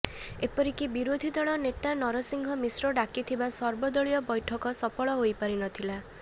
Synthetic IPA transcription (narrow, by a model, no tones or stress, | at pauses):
epɔɾikibiɾod̪ʱid̪ɔɭɔnet̪anɔɾɔsiŋɡʱɔmisɾɔɖakit̪ʰibasɔɾbɔd̪ɔɭijɔbɔjʈʰɔkɔsɔpɔɭɔɦojpaɾinɔt̪ʰila